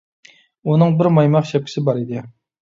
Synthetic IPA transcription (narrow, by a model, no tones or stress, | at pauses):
unɨŋbɪɾmɑjmɑqʃɛp̚kʰʲɪ̥sɪbɑɾid̪ɪ